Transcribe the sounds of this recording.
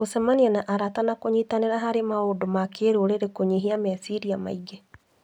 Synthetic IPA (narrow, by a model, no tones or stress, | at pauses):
osamanianaʔaɾatanakoɲitaneɾaɦaɾemaodomakeːɾoɾeɾekoɲiɦiamasiɾiama̰iɡe